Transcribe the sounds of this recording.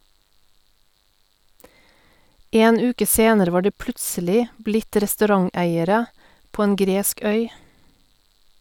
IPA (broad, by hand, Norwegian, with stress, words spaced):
ˈeːn ˈʉːkə ˈseːnəɾə ˈʋɑː ˈɖiː ˈplʉtsəlɪ ˈblɪt ɾɛstʉˈɾɑŋˌæɪəɾə ˈpoː ˈeːn ˈɡɾeːsk ˈœʏ